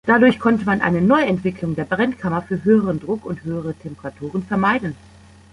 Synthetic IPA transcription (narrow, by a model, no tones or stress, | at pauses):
d̥adʊɐçkʰɔntəmanʔa̰ɪnənɔʏɛntv̥ɪklʊŋdeːɐbʁɛnkʰamɐfyːɐɦøːəʁəndʁʊkʊnthøːəʁ̞ətʰɛmpəʁatʰuːʁ̞ənfɛɐmaɪdn̩